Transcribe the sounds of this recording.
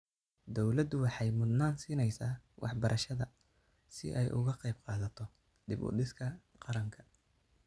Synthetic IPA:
d̪ɔwlɐd̪ʊwɑħɑjmʊd̪naːnsiːnɛjsaːwʔɑ̰ħbɐɾʔɐʃɐðɐ | sɪ̰ʔɛjʔʊ̰ɣɐqɑjb̚qɑːðɐt̪ʰɔ | d̪ɪbʊ̰d̪ɪskʰɐ | qɑɾɐŋkʰɐ̥

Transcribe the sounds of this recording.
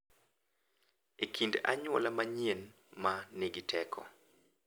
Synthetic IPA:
ekʰinda̰ɲwɔlamaɲen | maneɡɪtʰɛkʰɔ̰

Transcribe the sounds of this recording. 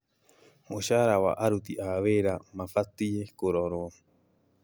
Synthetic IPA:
moʃaɾaβa̰ʔaɾut̪iʔaβeɾamãfat̪ijekoɾoɾo

